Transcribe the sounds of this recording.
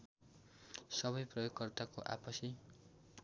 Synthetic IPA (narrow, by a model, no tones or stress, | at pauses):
sʌbʌjprʌjoɡkʌrt̪akoʔa̰pʌsi